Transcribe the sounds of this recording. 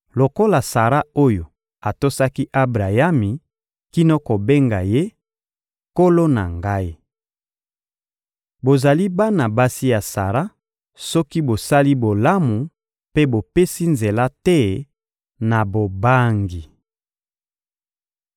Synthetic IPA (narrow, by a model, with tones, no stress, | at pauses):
lo˨ko˦la˨sa˨ʁa˦o˦jo˨ | a˨to˦sa˦ki˦ʔa˦bʁa˨ja˦mi˨ | ki˦no˦ko˨be˦ŋɡa˨je˦ | ko˦lo˦na̰˨ŋɡa˦i˦ | bo˨za˨li˦ba˦na˨ba˦si˦ja˨sa˨ʁa˦ | sɔ˦ki˦bo˨sa˦li˦bo˨la˦mu˨ | pe˦bo˨pe˦si˦nze˨la˦tɛ˦ | na˨bo˨ba˦ŋɡi˨